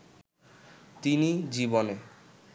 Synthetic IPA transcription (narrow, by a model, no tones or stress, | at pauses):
t̪inid͡ʑibone